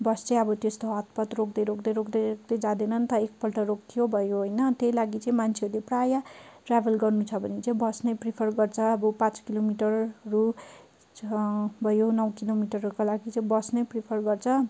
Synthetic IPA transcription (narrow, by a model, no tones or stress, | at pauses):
bʌst͡sãj̃ʌbʌt̪est̪oɦʌt̪̚pʌt̪rokd̪ʌjɾokd̪ʌɾokd̪ʌk̚d̪ʌd͡zad̪enʌnt̪ʌek̚pʌlʈʌɾokt̪ʰijobʱʌjoɦojnʌt̪ejlaɡit͡saĩmant͡sʰeʌɾuleprajaʈrabʱʌlɡʌrnut͡sʰʌbʱʌnet͡saĩbʌsnʌpripʰʌrɡʌrt͡sʰʌːbʌpãt͡skilomiʈʌrru | bʱʌjonʌwkilomiʈʌrukalaɡit͡saĩbʌsnʌpripʰʌrɡʌrt͡sʰʌ